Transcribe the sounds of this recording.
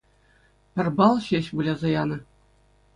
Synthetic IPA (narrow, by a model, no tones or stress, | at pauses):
pʲɘ̆rʲbɑlˠɕeɕbulʲɑzɑjɑnɤ̆